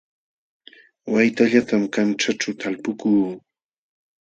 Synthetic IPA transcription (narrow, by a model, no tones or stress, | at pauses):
wajt̪aʎat̪amkanʈ͡ʂaʈ͡ʂawt̪ʰalpʊkuː